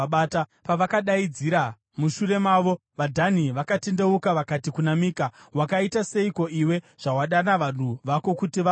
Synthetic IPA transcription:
tapaʋakaɗaid͡ziɾa | muʃure̞maːʋo̞ | ʋadʱaniʋakatende̞ukaʋakatikunamiːkawakaitase̞iko̞ʔiwe̞ | ʐ̥awaɗanaʋan̤uʋako̞kutiʋa

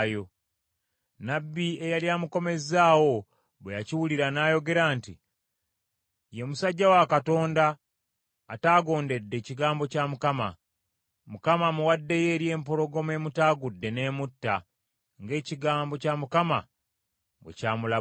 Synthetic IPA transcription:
jo̞ | nabːie̞jaliaːmuko̞me̞zaːwo̞ | βwejaciwuliɾanaːjo̞ɡe̞ɾaːnti | jemusaɟːawakato̞ːndaː | taːɡo̞ːnde̞dːe̞ːciɡaːmbo̞camukama̰ | mukamamuwadːe̞je̞ːɾje̞ːmpo̞lo̞ɡo̞me̞mutaːɡudːe̞ne̞ːmutːa | ŋɡe̞ːciɡaːmbo̞camukama̰ | bwḛcaːmula

